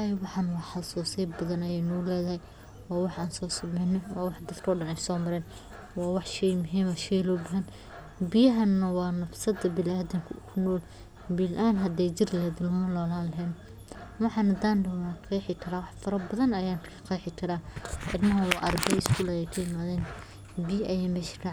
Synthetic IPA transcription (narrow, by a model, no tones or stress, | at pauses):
ajwɑħɑnwɑħɑsuːsɛjbɐðɐnɐjɛːnɔʊlɛːðɐɦɛj | wɑːwɑħʔaːnsɔːsɐmɛːnɪnwɑːwɑħd̪ɐd̪kʰɔːɖɐnɛjsɔːmɐɾɛːn | wɑːwɑħʃɛjmʊɦiːmɐʃɛjlɔbɐɦɐn | bɪjɐɦɐnːɐwɑːnɐfsɐd̪ɐbɪlaːd̪ɪŋkʰʊʊkʰʊnɔːl | bɪlʔaːnɦɐd̪ɛjd͡ʒɪrlɛɦɛːd̪ʊlmʊlɔːlaːnlɐɦɛːn | wɑħɑnɐd̪aːndɐwnqʰɛjħɪkʰɐɾaːwɑħfɐɾɐbɐðɐnɐjaːnkʰɐ̥qɑjħɪkʰɐɾaːʔɪ̰rmɐɦɐwɑ̰ːʔɐrd̪ɛɪskʰuːlɐjɛkʰɐjɪmaːðɛːn | bɪjɐʔɐjɛːmɛːʃɪ̥rʰaːʕ